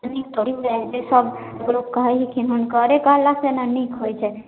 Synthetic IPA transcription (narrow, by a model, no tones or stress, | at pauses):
nikt̪oɽimed͡ʒesəb | eɡlokkəɦɛɦikʰinɦunkəɾekəɦəlːasenanikɦojt͡ʃʰɛ